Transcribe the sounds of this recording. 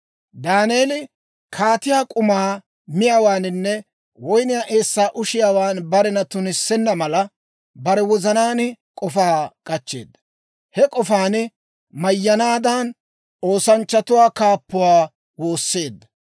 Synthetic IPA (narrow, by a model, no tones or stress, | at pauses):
d̪aːneːlɪ | kʰaːt̪ɪjaːkʼʊmaː | mɪjaːwaːnɪnːɛ | wɔjnɪjaːʔe̞ːsːaːʔʊʃɪjaːwaːnbɐɾɛnɐt̪ʊnɪsːɛnːɐmɐlɐ | bɐɾɛwɔzɐnaːnkʼɔfaːkʼɐt͡ʃːe̞̰ːd̪ːɐ̥ | hɛkʼɔfaːn | mɐjːɐnaːd̪aːn | o̞ːsɐnt͡ʃːɐt̪ʊwaːkaːpːʊwaː | wo̞ːsːe̞ːd̪ːɐ̥